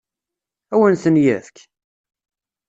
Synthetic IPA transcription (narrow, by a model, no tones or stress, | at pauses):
æwənθənjæθk